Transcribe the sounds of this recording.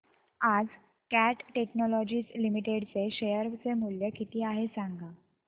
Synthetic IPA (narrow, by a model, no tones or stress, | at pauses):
ad͡z | kæʈʈeknɔlɔd͡ʑiːt͡slimiʈeɽt͡seɕejəɾt͡semuljəkit̪iːaɦesaŋɡa